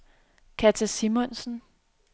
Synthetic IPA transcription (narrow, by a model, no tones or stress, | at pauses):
kʰæt͡sʰæsimɔnsn̩